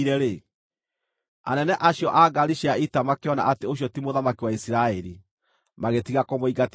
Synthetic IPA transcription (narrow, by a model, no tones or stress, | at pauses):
ɾɛɾe | a̰nɛnɛʔaɕjɔʔaɡaɾiʃiaitamakeɔna̰ʔateoɕ̬jɔtimoðamakiwaisiɾaɛɾi | maɣetiɣakɔmoiɡat